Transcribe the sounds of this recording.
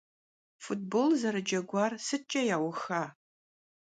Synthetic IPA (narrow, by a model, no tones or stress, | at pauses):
fut̚bolzɐɾɨd͡ʒɐɡʷɑːrsɨt͡ʃʼɐjaːwʊxaː